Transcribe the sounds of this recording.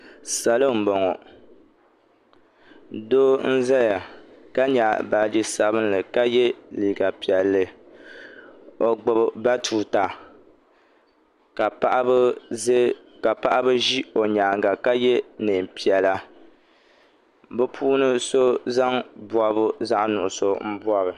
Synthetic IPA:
sa˨lɨ˦m̩˨bo˨ŋo˨ | doː˦n̩˦za˦ja˨ | ka˦ɲa˨ba˨d͡ʒi˦sa˨βɨ˦n˦lɨ˨ka˦jɛ˦liː˨ɡa˨pi˨ɛ˨lːɨ˨ | o˨ɡ͡bʊ˨bba˦tʰuː˨ta˨ | ka˨pa˦ʔb | ka˨pa˦ʔa˦bɨ˦ʒi˦o˨ɲaː˨ŋɡa˨ka˦jɛ˦nɨː˨m˨pi˨ɛ˨la˦ | bɨ˦pʰuː˦nɨ˦so˦za˦ŋbwa˨βʊ˦za˦ʔnʊ˨ʔʊ˨so˦m̩˦bu˦a˦ɾɨ˨

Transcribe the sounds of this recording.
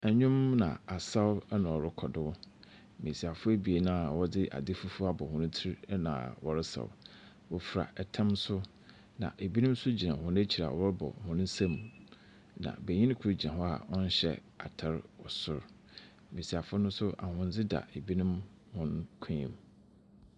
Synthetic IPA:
ɛ˨ɲᶣʊ̃˦mnã̰˨a˨sa˦wʊ˦nʊ̃˨ɔ˨ɾɪ˦kʰɔ˨dɪ˦ | mĩ˨si˨a˨fʊ˦e˦bi˨e˨nã˦˨wɔ˦dɪ˦ʔa̰˨dɪ˦fu˦fʊ˦a˦bɔ˨hʊ̃˨nʊ̃˦tʰi˦ɾnã̰˨wɔ˨ɾɪ˦sa̰˨wʊ̰˨ | wɔ˨fɾa̰˨ʔɛ˨tʰã˦msʊ˦ | nã̰˨ʔe˨bi˦nʊ̃˦m˦sʊ˦d͡ʑi˨nã˨hʊ̃˦n˦e˦t͡ɕʰi˨ɾa̰˨wɔ˦ɾɪ˦bɔ̰˨hʊ̃˨nʊ̃˦sã˦m˨ | nã̰˨be˨ɲĩ˦ñ˦kʰu˨˦ɾd͡ʑi˨nã˨ɦɔ˦a̰˨ɔ˦n̩˦ɕɛ̰˦˨ | a̰˨tʰa˦ɾwɔ˨sʊ˦ɾ | mĩ˨si˨a˨fʊ˦nʊ̃˦n˦sʊ˦ʔa˨hʊ̃˦n˦d͡zɪ˦da̰˨e˨bi˦nʊ̃˦m | hʊ̃˦n˦kʰĩ˦ḭ̃˦m

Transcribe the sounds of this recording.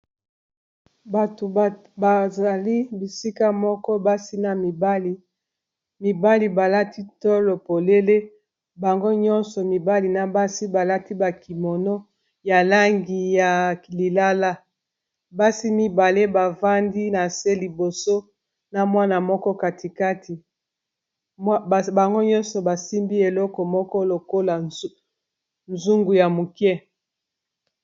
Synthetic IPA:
ba˨to˨ | ba˨za˨li˦bi˨si˦ka˦mɔ˦kɔ˦ba˦si˦na˨mi˨ba˦i˨ | mi˨ba˦li˨ba˨la˦ti˦tɔ˦lo˨po˨le˦le˦ | ba˨ŋɡo˦ɲɔ˦nsɔ˨mi˨ba˦li˨na˨ba˦si˦ba˨la˦ti˦ba˨ki˨mɔ˨no˦ | ja˨la˦ŋɡi˨ja˨li˨la˦la˦ | ba˦si˦mi˨ba˨le˦ba˨va˦ndi˦na˨se˦li˨bo˨so˦ | na˨mwa˦na˨mɔ˦kɔ˦ka˨ti˨ka˦tʰi˨˦˨ | ba˨ŋɡo˦ɲɔ˦nsɔ˨ba˨si˦mbi˦e˨lɔ˦kɔ˨mɔ˦kɔ˦lo˨ko˦la˨ | nzu˦ŋɡu˨ja˨mu˨kɛ˦

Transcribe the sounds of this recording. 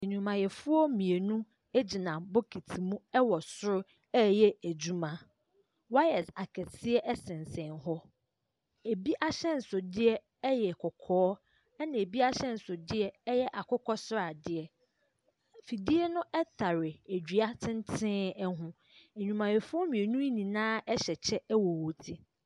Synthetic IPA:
e˨ɲᶣũ˨mã˨jɛ˨fʊ˦ɔ˦mĩ˨e˨nũ˦ | e˦d͡ʑi˨nã˨bo˦kʰi˨tʰi˨mũ˦ɛ˦wɔ˨sʊ˦ɾʊ˦ | ɛː˦jɛ˦æ˨d͡ʑu˦mã˦ | wa˦ɛ˨sa˨kʰɛ˨sʰɪ˦ɛ˦ʔɛ˦sɪ̃˨n˨sɛ̃˨nɦɔ˦ | e˨bi˦ʔa˦ɕɛ̃˦n̩˨sʊ˨dɪ˦ɛ˦ | ɛ˦jɛ˨kʰɔ˨kʰɔː˨˦ | ɛ˦nã˨e˨bi˦a˦ɕɛ̃˦n̩˨sʊ˨dɪ˦ɛ˦ɛ˦jɛ˦ʔa˨kʊ˦kɔ˦sʊ˦ɾa˨dɪ˦ɛ˨ | fi˨di˦ɛ˦nʊ̃˦ʔɛ˦tʰa˨ɾɪ˨e˨d͡ʑᶣi˨a˦tʰɪ̃˦n˦tʰɪ̃ː˦ɛ˦ɦʊ̃˦ | e˨ɲᶣũ˨mã˨je˨fʊ˦ɔ˦mĩ˨e˨nũ˦i˦nĩ˨nãː˦ɛ˦ɕɛ˨t͡ɕʰɛ˦ɛ˦wɔ˨wo˨tʰi˦

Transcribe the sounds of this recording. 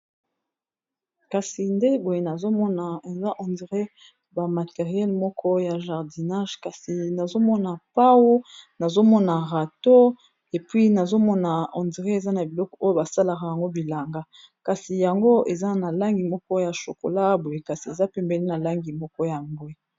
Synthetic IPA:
ka˨si˨nde˦bo˨je˨na˨zo˦mɔ˦na˨e˨za˦ʔɔ̃˨ndi˨ʁe˦ | ba˨ma˨te˨ʁijɛ˦lmɔ˦kʰɔ˦ja˨ʒa˨ʁdi˨na˦ʒka˨si˨na˨zo˦mɔ˦na˨pa˦wo˦na˨zo˦mɔ˦na˨ʁa˨to˦ | e˨pwi˦na˨zo˦mɔ˦na˨ɔ̃˨ndi˨ʁe˦e˨za˦na˨bi˨lɔ˦kɔ˨o˦jo˦ba˨sa˦la˨ka˨ja˨ŋɡo˦bi˨la˨ŋɡa˦ | ka˨si˨ja˨ŋɡo˦e˨za˦na˨la˦ŋɡi˨mɔ˦kɔ˦ja˨ʃo̰˨ko̰˨la˦bo˨je˨ka˨si˨e˨za˦pɛ˦mbɛ˨li˦na˨la˦ŋɡi˨mɔ˦kɔ˦ja˨ŋɡwe˦

